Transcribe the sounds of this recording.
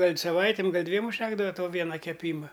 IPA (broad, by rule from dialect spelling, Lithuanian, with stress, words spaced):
ˈɡɐlʲ sɐˈʋɐɪtʲɪm ˈɡɐlʲ ˈdʲʋʲiɛm ʊʃʲˈtʲæːɡdɐʋɐ ˈtoː ˈʋʲiɛnɐ kʲɛˈpʲiːmɐ